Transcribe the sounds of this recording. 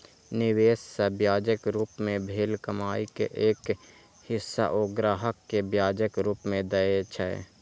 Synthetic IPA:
nɪweːsːəbjaːd͡ʒəkɾuːpmẽbʱeːlkəmaːikḛʔeːk | hɪsːa̰ʔoːɡɾaːɦəkːebjaːd͡ʒəkɾuːpmẽd̪əet͡ʃʰɛ̰

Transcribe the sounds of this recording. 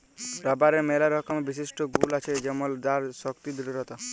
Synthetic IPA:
ɾɔbaɾemelaɾɔkɔmebis̬iʃʈɔɡulat͡ʃʰed͡ʒɔmɔld̪aɾsɔkt̪id̪iɾɾɔt̪ɔ

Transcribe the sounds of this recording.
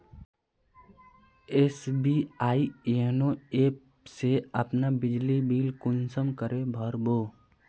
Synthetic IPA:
eːsbiaːienõeːp | seəpnabɪd͡ʒlibiːlkʊnsəmkəɾebʱəɾboː

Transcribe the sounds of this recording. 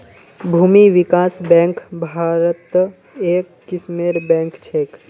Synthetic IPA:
bʱuːmiʋɪkaːsbɛ̃ːŋkbʱaːɾət̪ | eːkːɪsmeːɾbɛ̃ːŋkt͡ʃʰeːk

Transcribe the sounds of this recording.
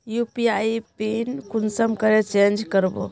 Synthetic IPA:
jupiajpenkunsəmkəɾɛt͡ʃend͡ʒkəɾbo̰

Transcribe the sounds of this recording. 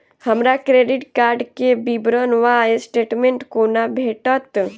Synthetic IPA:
həmɾakɾeɖiʈkaːɾɖkebibɾənʋaesʈeːʈmẽɳʈkonabʱeʈət̪

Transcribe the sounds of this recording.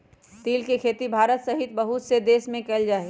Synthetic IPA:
t̪iːlkekʰeːt̪ibʱaːɾət̪sɐɦɪt̪bɐɦʊt̪sed̪eːsmẽkɛld͡ʒaːe

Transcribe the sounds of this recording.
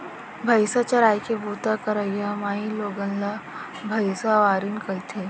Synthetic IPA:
bʱəjsat͡ɕaɾajkebut̪akəɾəjamaɦiloɡə̃nla | bʱəjsaʋaɾiːnkəjt̪ʰe

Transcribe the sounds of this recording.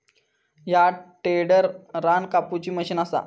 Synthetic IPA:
jaʈeɽəɾɾankaput͡ɕiːməɕiːnasa̰

